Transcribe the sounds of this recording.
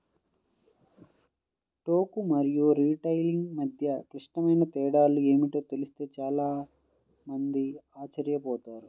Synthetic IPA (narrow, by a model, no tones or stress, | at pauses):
ʈoːkumɐɾijuɾiːʈɐjliŋɡmɐd̪ʱjɐkɾiʂʈɐmɐjnɐt̪ɛːɽaːlue̞ːmiʈo̞ːt̪elist̪e̞ːt͡ʃaːlaː | mɐnd̪iaːt͡ʃɐɾjɐpɔːt̪aːɾu